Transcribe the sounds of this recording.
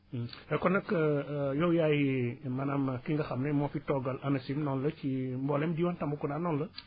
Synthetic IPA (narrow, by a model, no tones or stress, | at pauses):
ɛkɔnɐkːəjɔwjajimɐnamkiŋɡɐxɐmnɐmɔfitɔɡɐlʔɐnɐsimnɔnlət͡ʃimbɔlɛmdiwantɐmbukunaːnɔnlə